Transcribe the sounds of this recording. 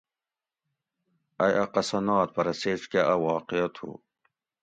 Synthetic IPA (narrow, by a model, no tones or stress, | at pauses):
ɐjʔɐqɐsɐnaːt̪̚pɐɾɐseːskeʔɐwɑːqiɐt̪ʰṵ